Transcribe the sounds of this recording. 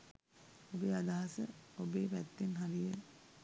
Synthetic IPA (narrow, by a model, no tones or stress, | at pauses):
obeːad̪aɦasəobeːpæt̪ːenɦaɾijə